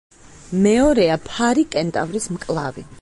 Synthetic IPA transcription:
mɛɔɾɛapʰaɾikʼɛnt̪ʼa̰vɾismkʼlˠavḭ

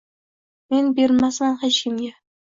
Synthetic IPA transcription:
me̞nbeɾmasmanhet͡ʃkʲɪmɡʲa

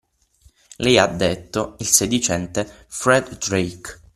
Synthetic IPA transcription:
lɛjad̪ːet̪ːoilsed̪it͡ʃɛnt̪e | fɾɛd̪d̪ɾejk

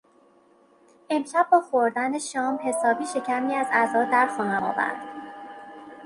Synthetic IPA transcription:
ʔe̞mʃæb̚ːɒːxoɾd̪æneʃɒːmhe̞sɒːbiːʃe̞cʰæmiːæzæzɒːd̪æɾxɒːnæmɒ̰ːvæ̰ɾd̪̥

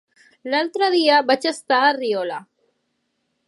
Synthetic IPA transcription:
lalt̪ɾəðiaβat͡ʃəst̪aːriɔla

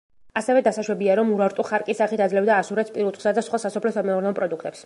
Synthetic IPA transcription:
asɛvɛd̪asaʃwɛbiaɾɔmuɾaɾt̪ʼɔχaɾkʼisaχit̪ʰad̪zlɛvd̪aːsuɾɛt̪spʼiɾut̪ʰʼχsad̪asχwasasɔpʰlɛsamɛuɾnɛɔpʼɾɔd̪ukʰt̪ʼɛps

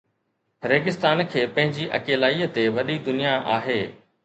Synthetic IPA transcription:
ɾeːɡɪst̪aːnkʰeːpɐ̃ɦɪ̃ɲd͡ʑiʔɐ̰keːlaːiət̪eʋɐɗid̪ʊnijaʔa̰ːɦeː

